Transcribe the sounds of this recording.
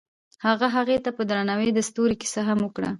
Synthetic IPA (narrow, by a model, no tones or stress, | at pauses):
haɣaɦaɣet̪apəd̪ɾanawed̪əst̪uɾeki̥saɦaməkɽa̰